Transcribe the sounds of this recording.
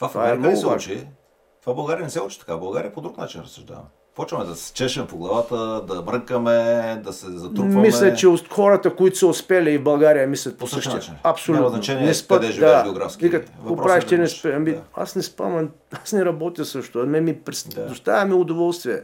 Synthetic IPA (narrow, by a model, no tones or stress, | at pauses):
tt̪vavaɛmnɔɡsɛat͡ʃi | t̪vabɐlˠɡaɾiənɛsɛut͡ʃit̪ɐ̥kabɐlˠɡaɾijəpod̪ɾuknat͡ʃinɾɐsːʊʒd̪a̰vɐ̰mɛ | pɔt͡ʃvɐmɛd̪ɐsɛ̥st͡ʃɛʃɛmɛpoɡlˠɐvat̪əd̪ɐmɾəkəmɛd̪ɐsɛzɐt̪ɾuvɐmislʲɐt͡ʃɛoxɔɾɐt̪əkoit̪ʊ̥sɐʊspɛlʲiivbɐlˠɡaɾijəmislʲɐt̪posəʃɛɐpsolʲutznnt͡ʃɛninɛspəd̪ɛʒivd̪aɛɡɛoɡɾa̰fskʲvikət̪popɾavɛʃt̪ɛnɛspɛɐmia̰snɛspa̰m | asnɛɾɐbɔt̪ʲjəsəʃt̪ʊɐmɛmipɾɛsd̪ost̪avʲɐmiʊd̪ovɔlˠst̪viɛ